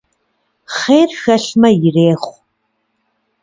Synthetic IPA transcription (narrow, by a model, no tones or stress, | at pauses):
χeːrxɐɬmɐjɪreːχʷ